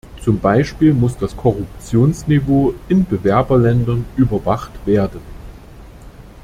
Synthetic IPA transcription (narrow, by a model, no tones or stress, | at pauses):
t͡sʊmbaɪʃpiːlmʊsd̥askʰɔʁʊpt͡sjoːnsnivoːʔɪnbəvɛɐbɐlɛndɐnyːbɐvaχtv̥eːɐdən